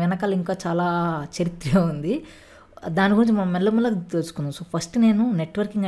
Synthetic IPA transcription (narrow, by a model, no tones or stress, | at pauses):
ʋɛnɐkɐːlɐiŋkaːt͡ʃaːlaːt͡ʃɐɾit̪ɾɐund̪i | d̪aːnikɡuɾiɲt͡ʃimɐnɐmːɛlːɐmulːɐkt̪elsu̥kunːamsoːpʰɐsʈne̞ːnuneʈːʋɐɾkiŋɡɐ